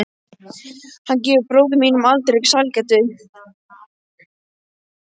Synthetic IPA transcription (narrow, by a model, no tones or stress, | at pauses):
hancɛːvɪɾpɾoːwðʏminʏmalt̪ɾeksalcat̪ʏ